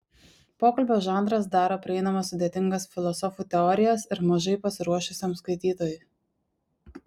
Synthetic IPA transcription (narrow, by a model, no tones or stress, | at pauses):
poːkɐlʲbʲoːʒɑˑnd̪ɾɐsd̪ɑːɾoːpʲɾʲɪɛɪnɐmɐsːʊd̪ʲeːt̪ʲɪŋɡɐsfʲɪlˠɔsɔfuːt̪ʲɛɔɾʲɪjɛsɪɾmɐʒɐɪpɐsʲɪɾuɔʃʲʊsʲɛmskɐɪt̪ʲiːt̪oːjʊ